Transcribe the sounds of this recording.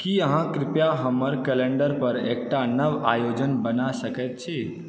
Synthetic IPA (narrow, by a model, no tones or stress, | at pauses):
kiəɦãkɾɪpjaɦəməɾkɛlẽɳɖəɾpəɾeːk̚ʈanəʋajod͡ʒənbənasəket̪t͡ʃʰe